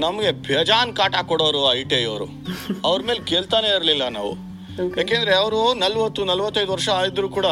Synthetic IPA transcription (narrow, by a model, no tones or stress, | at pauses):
nɐmɐɡe̞bʱjɐd͡ʒaːnkaːʈakɔɽoːɾuɐjʈeːjo̰ːɾṵ | ɐʋɐɾɐme̞ːlkeːɭt̪aːneiɾlilːɐna̰ːʋṵ | jaːkeːnd̪ɐɾeɐʋɐɾunɐlʋɐt̪ːunɐlʋɐt̪ːɐjd̪uʋɐɾʂɐːjid̪ɾuːkuːɽa